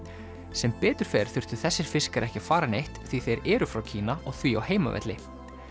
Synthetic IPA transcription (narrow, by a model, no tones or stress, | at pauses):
sɛmpɛːt̪ʏɾ̥fɛːɾ̥θʏr̥t̪ʏ̥θɛsːɪɾ̥fɪskaɾʔɛhcɪfaːɾanejht̪θviθejɾɛːɾʏfɾawcʰiːnaʔɔɣθviawheːjma̰vɛ̰t̪lɪ